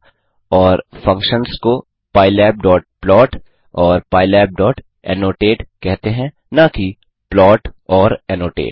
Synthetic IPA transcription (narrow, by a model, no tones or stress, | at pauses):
ɔːɾfɐ̃ŋkʃənsko | paːɪlɛːp̚ɖɔːʈ̚plɔːʈ | ɔːɾpaːɪlɛːb̚ɖɔːʈ | ɛ̰ːnoːʈeːʈkɛɦt̪eɦɛ̃ | naki | plɔːʈɔːɾɛːnoːʈḛːʈ